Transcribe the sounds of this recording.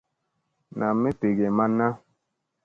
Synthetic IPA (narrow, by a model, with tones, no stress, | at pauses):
na˨mːe˦te˨ɡɛ˨ma˦nːa˦